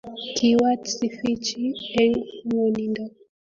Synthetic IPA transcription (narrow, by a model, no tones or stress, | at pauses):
kʰiwatsifit͡ʃiɛŋmunindɔ